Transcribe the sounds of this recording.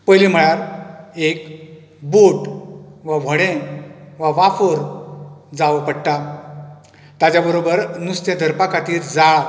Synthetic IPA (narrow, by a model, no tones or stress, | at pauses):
pəjlim̤əɭaɾek | boʈʋaʋ̤ʱəɽẽʋaʋafoɾ | d͡zaʋpəɽʈ̪a | t̪jat͡ɕjabəɾobəɾnust̪jad̪ʱəɾpakat̪iːɾd͡za